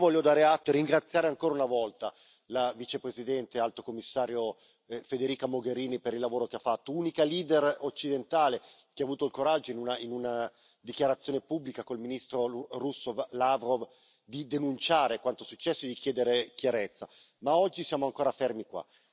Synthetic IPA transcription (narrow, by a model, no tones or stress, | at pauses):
vɔlːjod̪aːɾeat̪ːoeriŋɡɾat̪sːjaːɾeaŋkoːɾaunavɔlt̪a | lavit͡ʃepɾezid̪ɛnt̪ealt̪okomːisːaːɾjo | fed̪eɾiːkamoɡeɾiːnipeɾilːavoːɾokeafːat̪ːounikaliːd̪erot͡ʃːid̪ent̪aːle | keaːvuːt̪oilkoɾad͡ʒːoinunainuna | d̪ikjaɾat̪sjoːnepubːlikakoilminist̪ɾorusːovlavɾov | d̪id̪enunt͡ʃaːɾekwant̪osut͡ʃːɛsːoed̪ikjɛːd̪eɾekjaɾet̪sːa | maɔd͡ʒːisjaːmoaŋkoːɾafermikwa̰